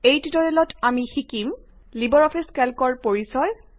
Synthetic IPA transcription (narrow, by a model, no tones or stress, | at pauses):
ejtitɔɹelɔtamixikim | libɔɹɔpʰiskɛlkɔɹpoɹisɔj